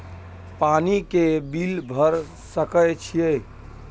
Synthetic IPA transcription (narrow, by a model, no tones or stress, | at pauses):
panikebilbʱəɾ | səkəjt͡ʃʰije